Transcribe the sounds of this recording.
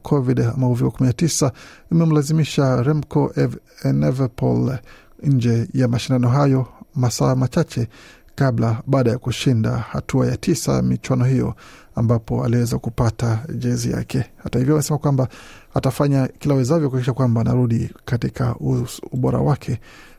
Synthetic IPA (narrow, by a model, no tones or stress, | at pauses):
kʰɔviɗa̰mahuvikukuminatisaimɛm̩lazimiʃaɾɛmkɔʔɛnɛvɛpɔ̰l | ɲ̩d͡ʒɛjamaʃindanɔɦajɔmasaːmat͡ʃat͡ʃɛ | kaɓlaɓaːɗajakuʃinda̰ha̰tua̰jatʰisa̰mit͡ʃwanɔhijɔ̰ | ambapɔa̰liwɛzakupataʄɛzḭja̰kʰɛhatahivjɔamɛsɛmakwambaatafaɲakilawɛzavjɔkuaikiʃakwambaːnaɾuɗikatikʰa̰uuɓɔɾa̰wakʰɛ